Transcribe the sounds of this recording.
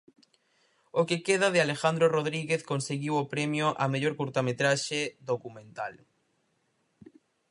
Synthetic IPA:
okekeðaðɪalexand̪ɾoroðɾiɣeθkonseɣiwopɾemjoʔameʎoɾkuɾt̪amet̪ɾaʃeðokumẽnt̪al

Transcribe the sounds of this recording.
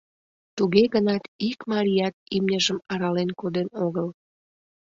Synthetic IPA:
t̪uɣeɣənɑt̪ikmɑɾʲijɑt̪̚imnʲəʒəmɑɾɑlenkod̪enoɣəl

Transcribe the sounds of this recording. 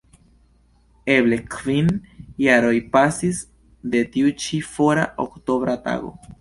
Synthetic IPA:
eβlekʰvinjaɾojpasis | d̪et̪iut͡ʃifoɾaʔo̰kt̪oβɾat̪a̰ɣo̰

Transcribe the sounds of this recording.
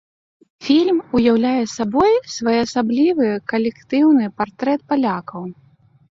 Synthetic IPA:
fʲilʲmujawlʲajɛsabɔjsvajɛɐsablʲivɨkɐlʲɛkt̪ɨwnɨpart̪ɾɛt̪̚palʲakɐw

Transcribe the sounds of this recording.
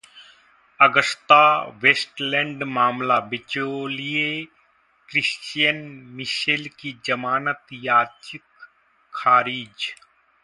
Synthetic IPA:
ɐɡəst̪aʋeːsʈlɛ̃ɳɖmaːmlabɪt͡ʃolie | kɾɪst͡ʃjənmɪʃelkid͡ʒɐmaːnət̪jaːt͡ʃɪkʰ | aːɾiːd͡ʒ

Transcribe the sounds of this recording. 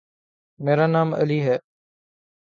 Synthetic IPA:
meːɾaːnaːmə̰liːɦɛː

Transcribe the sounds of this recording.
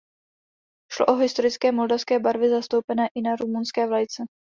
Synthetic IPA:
ʃlo̰ʔoɦɪst̪o̞ɾɪt͡skɛːmo̞ldafskɛːbaɾvɪzast̪owpɛnɛːʔɪnaɾumunskɛːvlajt͡sɛ

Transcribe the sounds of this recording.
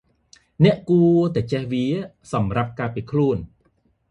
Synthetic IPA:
nɛ̆əʔkuət̪ɛt͡ɕɛhʋiə | sɑmrap̚kaːpiːkʰluən

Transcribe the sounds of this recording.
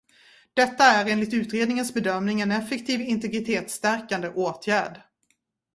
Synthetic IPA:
d̪̥ɛt̪ːaæɾeːnlɪt̪ʉ̟ːt̪ɾeːd̪nɪŋənsbɛd̪œmnɪŋɛnɛfːɛkt̪ʰiːvɪnt̪ɛɡɾɪt̪ʰeːt̪st̪æɾkand̪əʔoːt̪ʰjæːɖ

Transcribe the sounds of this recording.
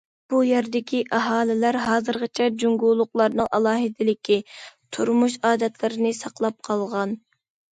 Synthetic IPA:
b̥ujɛɾd̪ɪkʲʰiʔɑɦɑːlɪlæɾɦɑːzɨɾʁət͡ʃʰɛd͡ʒuŋɡulˠːʊqlˠɑɾnɨŋʔɑlˠɑːɦɪd̪ɪlɪkʲʰit̪ʰuɾmuʃɑːd̪ɛt̪ʰlɪɾɪnɪsɑqlˠɑp̚qʰɑlˠʁɑn

